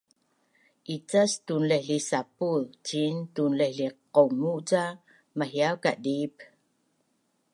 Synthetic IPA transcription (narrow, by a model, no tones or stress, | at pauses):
ʔit͡sastunlehɮisapult͡ɕintunleɬiqomuʔt͡sa | maɦjawkaʔdip